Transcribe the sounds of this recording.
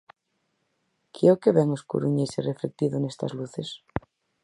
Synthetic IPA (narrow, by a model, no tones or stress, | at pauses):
kʰjeokeβeŋoskṵɾuɲesireflek̚t̪iðonest̪a̰zluθes